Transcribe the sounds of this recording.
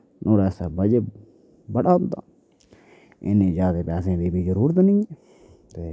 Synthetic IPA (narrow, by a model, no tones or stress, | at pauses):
nʔoːɾɛːsaːbəd͡ʒe | bəɽaːnt̪a̰ː | ɪ̰nẽːd͡ʒaːd̪eːpɛːs̬ẽːd̪iːbʱiːzəɾuːɾət̪nɪŋ | t̪eː